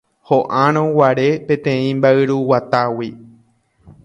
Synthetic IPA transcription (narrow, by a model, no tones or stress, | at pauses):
hoʔãɾ̃õwaɾe̞pẽt̪ẽ̞ĩmbaɨɾuwat̪awi